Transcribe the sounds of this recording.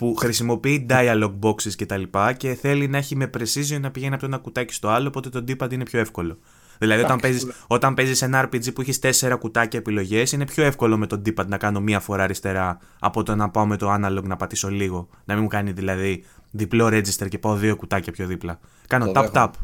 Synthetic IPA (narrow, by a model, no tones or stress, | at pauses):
puxɾisimo̞piid̪ɐiɐlo̞ɡ̚bo̞ksisce̞t̪ɐlipɐce̞θe̞linɐe̞çime̞pɾe̞sizionɐpiʝe̞niɐpt̪oe̞nɐkut̪ɐci̥st̪o̞ɐlo̞ːpo̞t̪e̞t̪o̞d̪ipɐd̪ine̞pço̞e̞fko̞lo̞ | ðilɐðio̞t̪ɐmpeziso̞t̪ɐmpe̞zise̞nɐɐɾpid͡zipuiçist̪e̞se̞ɾɐkut̪ɐcɐepilo̞ʝe̞sine̞pço̞e̞fko̞lo̞me̞t̪o̞nd̪ipɐd̪̚nɐkɐno̞miɐfo̞ɾɐɾist̪e̞ɾɐ | ɐ̰pot̪onɐpɐomet̪o̞ɐnɐloɡnɐpɐt̪iso̞liɣo̞ | nɐmimukɐniðilɐðiðiplo̞ɾe̞zist̪e̞ɾce̞pɐo̞ðio̞kut̪ɐcɐpço̞ðiplɐ | kɐnot̪ɐpt̪ɐp